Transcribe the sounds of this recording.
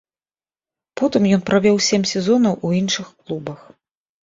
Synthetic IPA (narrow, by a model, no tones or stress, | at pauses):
pɔt̪ɨmjɔnpɾavʲɔwsʲemʲsʲɛzɔnɐwʔuinʂɨxklˠubɐx